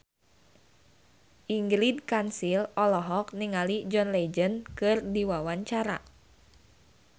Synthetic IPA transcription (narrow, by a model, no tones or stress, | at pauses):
ʔiŋɡɾidkansilɔlɔɦɔk̚niŋalid͡ʒɔnled͡ʒənkɨrdiwawaɲt͡ʃaɾa̰